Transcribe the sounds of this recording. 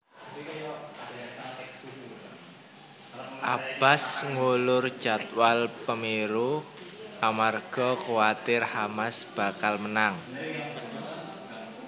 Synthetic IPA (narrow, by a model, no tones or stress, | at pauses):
ʔab̥a̤sŋulʊrd̥ʒ̥a̤t̪walpəmeɾu | ʔamarɡ̥ɔ̤kowat̪ɪrhamasb̥a̤kalmənaŋ